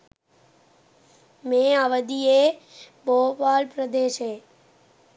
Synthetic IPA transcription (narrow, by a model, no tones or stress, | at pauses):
mẽaʋəd̪ie | bopaːlpɾəd̪eʃe